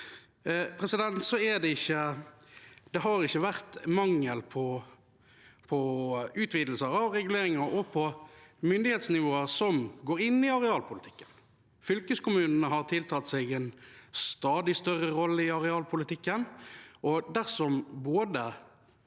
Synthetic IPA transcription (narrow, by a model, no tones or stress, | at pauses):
pʰʁɛsɪd̪ɛnt̪sɔɛd̪ɛɪçːə | d̪ɛɦɑɾɪçːəʋæʁt̪mɑŋːəlpʰɔ | pʰɔʉːt̪ʰʋiːd̪l̩səɾɑʋɾɛɡʉl̩eːɾɪŋɑɾʔɔpʰɔmʏnd̪ɪheːt̪snɪʋoːəɾsɔmɡoːɾɪnːɪɑʁɛɑːlpʰʊlɪt̪ʰɪ̥kːə̥n | fʏlkəskʊmʉːnnəɦɑʁt̪ʰɪlt̪ʰɑːt̪sɛɡɛnst̪ɑːd̪ɪst̪œrːəɾɔlːəɪɑʁɛɑːlpʰʊlɪt̪ɪkːənʔɔd̪æʁsɔmboːd̪ə